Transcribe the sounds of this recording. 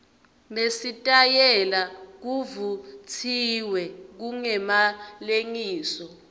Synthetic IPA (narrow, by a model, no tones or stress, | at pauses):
mesitʼajɛlak̬uvut͡sʰiwɛk̬uŋɛmaleŋiːsɔ